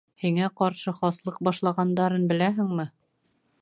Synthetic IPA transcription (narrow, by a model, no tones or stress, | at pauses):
hiŋæqɒɾʃɤχɒslˠɤq̚bɒʃlˠɑʁɑnd̪ɑɾɤnbɘ̆læɦɘ̆ŋmɘ